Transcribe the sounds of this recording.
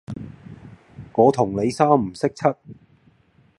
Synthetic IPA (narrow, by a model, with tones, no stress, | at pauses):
ŋɔː˨˧t̪ʰʊ˨˩ŋle˨˧jsaː˥m̩˨˩sɪ˥k̚t͡sʰɐ˥t̚